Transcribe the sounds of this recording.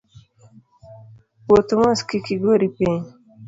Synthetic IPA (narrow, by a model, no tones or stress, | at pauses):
pot̪umaskikiɡoɾipẽ